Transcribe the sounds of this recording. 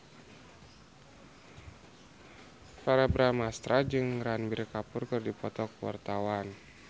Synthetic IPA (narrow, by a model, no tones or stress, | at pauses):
paɾabɾamast̪ɾad͡ʒɨŋranbirkapʊrkɨrdipɔt̪ɔkwa̰rt̪awan